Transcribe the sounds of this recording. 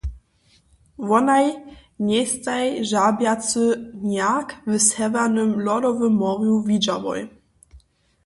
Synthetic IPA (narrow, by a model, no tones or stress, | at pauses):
vɔnajɲʲɛst̪ajʒabjat͡sɘnakvɘsɛvanɘmlɔdɔvɘmːɔʁjuvʲid͡ʒavɔ̰j